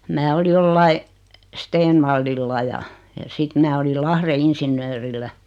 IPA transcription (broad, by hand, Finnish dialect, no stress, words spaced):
mæː oli joliɑi steːnʋɑlːilːɑ jɑ jɑ sit mæː olil lɑhre insinːøːrilːæ